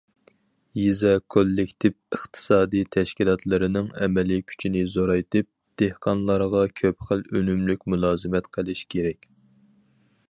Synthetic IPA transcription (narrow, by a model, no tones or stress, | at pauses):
jizɛkʰolːɪkʲt̪ʰɪvəχt̪ʰɨ̥sɑːd̪ijt̪ʰɛʃkʲilˠɑt̪ʰlˠɨɾɪnɪŋɛ̰mɛlikʲʰy̥t͡ʃʰinɪzoɾɑjt̪ɨp̚ | d̪̥ehqʰɑnlˠɑɾʁɑkʲʰøpχəlønymlykʲmulˠɑːzɨmɛt̪qʰəlˠɪʃkʲʰeɾɛkʲ